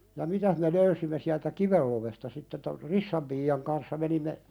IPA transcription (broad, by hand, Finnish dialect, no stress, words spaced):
jɑ mitæh me løysimːe siæltæ kiʋel loʋestɑ sitːe tor risːɑm piːɑŋ kɑnsːɑ menimːe